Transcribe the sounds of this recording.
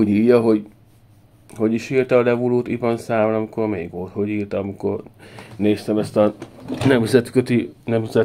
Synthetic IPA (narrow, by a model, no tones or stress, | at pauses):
ɟiːjːɒɦo̞ɟ | ho̞ɟiʃiːrt̪ɛɒlɛvuloːt̪ivɒnsaːmonɒmiko̞rmeːɡʋolt̪ho̞ɟiːrt̪ɒmiko̞̰rneːst̪ɛmɛst̪ɒnɛmzɛt̪køt̪inɛmzɛ